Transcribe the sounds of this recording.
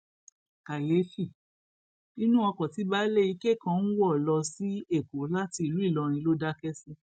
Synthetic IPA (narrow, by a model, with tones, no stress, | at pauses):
ka˨le˨˦fi˦˨ | i˦nũ˦ɔ˧kɔ̃˨ti˨˦ba˦le˦˨i˧ke˦˨kã˦˧n̩˦wɔ˦˨lɔ˧si˦e˦˨ko˨˦la˦ti˧i˨lu˨˦i˦˨lɔ˧ɾ̃ĩ˧lo˦da˦kɛ˦sɛ˦